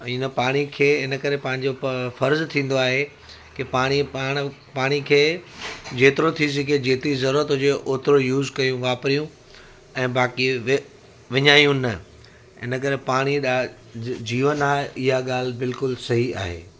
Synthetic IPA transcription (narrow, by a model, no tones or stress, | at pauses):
inəpaːɽ̃ikʰeːɪnə̆kɐɾepɐ̃ɦɪ̃ɲd͡ʑofɐɾzt̪ʰĩːn̆d̪oaːɦe | kɪpaːɽ̃iaːɽ̃ | paːɽ̃ikʰeːd͡ʑeːt̪ɪɾot̪ʰis̬ɪɡed͡ʑeːt̪ɪɾizɐɾuːɾət̪ɦʊd͡ʑeʔoːt̪ɪɾojuːzkɐjũʋaːpɾijũ | ɛ̃ːbaːkiʋ | ʋɪɲaːijũnɐ | ɪ̰nə̆k̬ɐɾepaːɽ̃iɗa | d͡ʑiːʋənaːɦeʔɪɦaɠaːl̤bɪlkʊlsɐɦia̰ːɦḛː